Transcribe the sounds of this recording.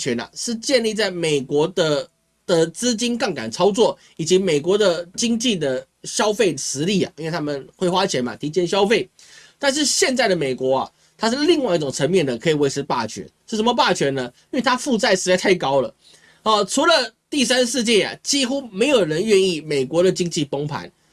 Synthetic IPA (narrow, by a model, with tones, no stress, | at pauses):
t͡ɕʰɥɛ˧˥na̰˨ʂɻ̩˥˧t͡ɕjɛ˥˧nli˥˧t͡sa˥˩ɪme˨˩ɪkwɔ˧˥d̪ə˧ | d̪̥ə˨t͡sɹ̩˥t͡ɕi˥nkɑ˥˩ŋka̰˨˩nt͡sʰɑ˥ʊt͡swɔ˥˩ | i˨˩t͡ɕi˧˥me˨˩ɪkwɔ˧˥d̪ə˨t͡ɕi˥ŋt͡ɕi˥˩d̪ə˩ | ɕjɑ˥ʊfe˥˩ɪʂɻ̩˧˥li˥˩a̰˩i˥nwt̪ʰa˥mə˨nxwe˥˩ɪxwa˥t͡ɕʰjɛ˧˥nma̰˨t̪ʰi˧˥t͡ɕjɛ˥˩nɕjɑ˥ʊfe˥˩ɪ | t̪a˥˧nʂ̬ɻ̩˥˧ɕjɛ˥˧nt͡sa˥˩ɪd̪ə˩me˨˩ɪkwɔ˧˥a̰˨ | t̪ʰa˥ʂ̬ɻ̩˥˧li˥˧ŋwa˥˧i˥˩ʊ˨˩ŋt͡sʰə˧˥ŋmjɛ˥˩nd̪ə˩kʰɤ˧˥i˨˩we˧˥ɪʈ͡ʂʰɻ̩˧˥pa̰˥˩t͡ɕʰɥɛ̰˧˥˦nʂɻ̩˥˩ʂə˧˦mə˧pa˥˩t͡ɕʰɥɛ˧˥nə˧i˥nwe˥˧˩t̪ʰa˥fu˥˧t͡sa˥˧ɪʂɻ̩˧˥a˥˧ɪt̪ʰa˥˩ɪkɑ˥ʊlə˨˩ | ɔ˥˩ʈ͡ʂʰu˧˥lə˨t̪i˥˩sa˥nʂɻ̩˥˧t͡ɕjɛ˥˩a̰˨˩t͡ɕi˥xu˥me˧˥ɪjo˨˩ʊɻə˧˥nɥɛ˥˧ni˥˩me˨˩ɪkwɔ˧˥d̪ə˨t͡ɕi˥ŋt͡ɕi˥˨pɤ˥ŋpʰa̰˧˥˦n